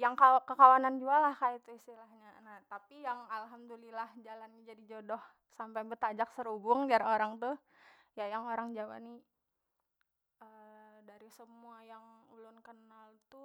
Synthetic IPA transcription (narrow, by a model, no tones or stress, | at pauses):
jaŋkakəkawanand͡ʒualahkait̪uist̪ilahɲanat̪apijaŋalɦamd̪ulilahd͡ʒalanːad͡ʒadid͡ʒodɔh | sampajbət̪ad͡ʒak̚səɾubʊŋdiaɾoɾaŋt̪u | jajaŋoɾaŋd͡ʒawa̰ni | ədaɾisəmuajaŋulʊnkənalt̪u